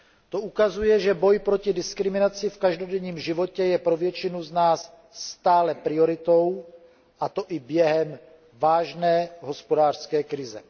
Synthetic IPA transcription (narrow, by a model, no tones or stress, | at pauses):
t̪oukazujɛʒɛbo̞jpɾocɪdɪskɾɪmɪnat͡sɪfkaʒdo̞dɛɲiːmʒɪvo̞cɛjɛpɾovjɛt͡ʃɪnuznaːsː | t̪aːlɛpɾɪoɾɪt̪o̞w | ʔat̪o̞ʔɪbjɛɦɛm | vaːʒnɛːɦo̞spodaːr̥skɛːkɾɪzɛ̰